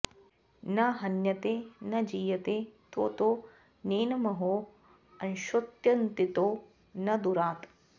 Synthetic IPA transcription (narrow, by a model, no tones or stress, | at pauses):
nɐɦɐnjɐt̪eːnɐd͡ʒiːjɐt̪eːt̪oːt̪oː | neːnɐmɐɦoː | ɐnʃot̪jɐnt̪it̪oː | nɐd̪uɾaːt̪